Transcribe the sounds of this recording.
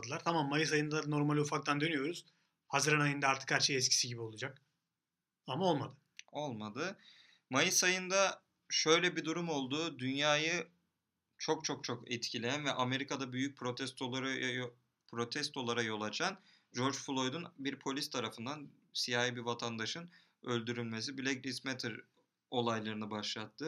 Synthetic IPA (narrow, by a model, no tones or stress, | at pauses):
d̪ɯlˠaɾt̪ʰamamːajɯs̬ajɯnd̪ad̪no̞ɾmalʲiufak̚t̪ʰand̪ø̞nyjo̞ɾuz̥ | hazɯɾanajɯnd̪aaɾt̪ʰɯ̥kæɾt͡ʃʰɛjɛt̪cʰi̥siɟibio̞lˠad͡ʒak | amao̞lˠmad̪ɯ | o̞lˠmad̪ɯ | majɯsajɯnd̪a | ʃø̞jlʲɛbid̪uɾumo̞lˠd̪uːd̪ynjaːjɯ | t͡ʃʰo̞kt͡ʃʰo̞k̚t͡ʃʰo̞kɛt̪cʰilʲejænvɛʔame̞ɾikad̪abyjyc̚pʰɾot̪ʰɛst̪oɾ | pʰɾo̞t̪ʰɛst̪ʰo̞lˠaɾajo̞lˠat͡ʃʰan | d͡ʒo̞ɾd͡ʒfulˠo̞jd̪unbiɾpʰo̞lʲist̪ʰaɾafɯnd̪an | sijaːibivat̪ʰand̪aʃɯn | ølʲd̪yɾylʲme̞s̬ibilʲeɡɾismɛt̪ʰɛɾ | o̞lˠajlˠaɾɯnɯbaʃlˠat̪ʰːɯ